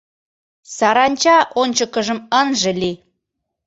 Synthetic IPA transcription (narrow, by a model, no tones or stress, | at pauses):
sɑɾɑnʲt͡ɕɑʔonʲt͡ɕəkəʒəmənʒə̆li